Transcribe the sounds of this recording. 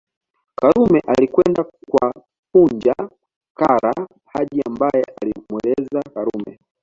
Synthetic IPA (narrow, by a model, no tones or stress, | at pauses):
kaɾumɛʔalikwɛndakwa | pund͡ʒa | kaɾa | haɗiambajɛʔa̰limwɛlɛzakaɾumɛ̰